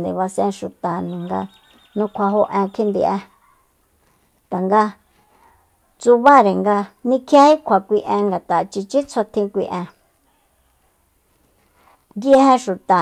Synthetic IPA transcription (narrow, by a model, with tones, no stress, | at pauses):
nd̪i˨βa˧sẽ˧ʃu˨t̪a˨nĩ˨ŋɡa̰˧ | nũ˧kʷʰa˧ɦo˧ʔẽ˧kʰi˦nd̪ḭ˧˨ʔẽ˧ | t̪a˨ŋɡa˧ | t͡su˧βa˦ɾe˨ŋɡa˧nĩ˧kʰja˦hi˦kʷʰa˨kʷi˧ʔẽ˧ŋɡa˨t̪a˨t͡ʃi˧t͡ʃi˦t͡sʰo˧t̪ʰĩ˧kʷḭ˧ʔẽ˧ | jje˧˦hẽ˧ʃu˨t̪a˨